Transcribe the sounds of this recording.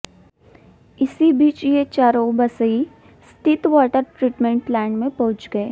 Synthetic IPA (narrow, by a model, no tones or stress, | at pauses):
ɪsibiːt͡ʃjet͡ʃaːɾõbɐsəi | st̪ɪt̪wɔːʈəɾʈɾiːʈmẽɳʈlɛːɳɖmẽpɐɦʊ̃t͡ʃɡɐeː